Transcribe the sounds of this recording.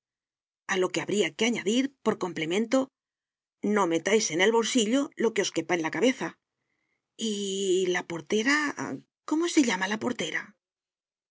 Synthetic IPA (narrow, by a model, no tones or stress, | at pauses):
alo̞ke̞aβɾiake̞aɲaðiɾpo̞ɾko̞mple̞mẽ̞nt̪o̞ | no̞me̞t̪ajse̞ne̞lβo̞lsiʎo̞lo̞ke̞o̞ske̞paenlakaβe̞θa | ilapo̞ɾt̪e̞ɾa | ko̞mo̞se̞ʎamalapo̞ɾt̪e̞ɾa